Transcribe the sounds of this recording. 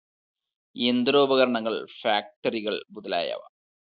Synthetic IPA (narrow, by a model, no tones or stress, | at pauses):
end̪ɾo̞ːbɐɣɐɾɐɳɐŋːɐɭfaːk̚ʈɐɾiɣɐɭbuðɐla̰ːja̰ːʋɐ̰